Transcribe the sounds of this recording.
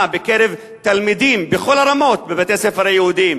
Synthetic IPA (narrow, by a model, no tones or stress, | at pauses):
bekeɾev | t̪almid̪imbeχo̞lhaɾamo̞t̚bebet̪esefeɾajehud̪im